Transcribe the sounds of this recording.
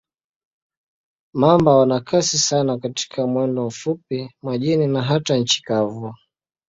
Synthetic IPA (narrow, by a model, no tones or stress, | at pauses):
mambawanakʰasisanakati̥kʰamwɛndɔm̩fupimaʄininaɦataɲ̩t͡ʃi̥kavu